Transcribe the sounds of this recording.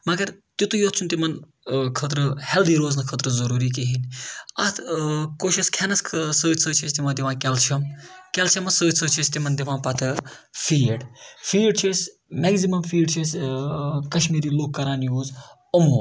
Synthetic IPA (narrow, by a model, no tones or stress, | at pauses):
mɐɡɐɾt̪ut̪ujoːt̪̚t͡ʃʰunt̪imɐn | kʰət̪ɾɨhɛld̪iːɾoːznɐkʰəːt̪ɾɨzɐɾuːɾiːkeɦinɐt̪ʰkoːʃiskʰɛnɐssəːt̪ʲsəːt͡ʃʰesʲt̪iʋãːd̪ʲiʋãːkɛlt͡ʃʰɐmkɛlt͡ʃʰɐmɐsəːt̪ʲsəːt͡ʃʰist̪imɐnd̪iʋãːnpɐt̪ʰɨfiːɖfiːɖt͡ʃʰesʲ | mɛːɡzimɐmfiːɖt͡ʃʰisʲ | kɐʃmiːɾiːloːkkːɐɾaːnjuːz | ɐmoː